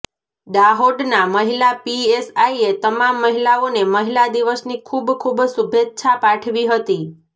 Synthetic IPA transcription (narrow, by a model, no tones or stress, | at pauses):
d̪aɦoɖnaməɦilapiesaiet̪əmamːəɦilaoneməɦilad̪iʋəsnikʰubkʰubsubʱett͡ʃʰapãʈʰʋiɦət̪i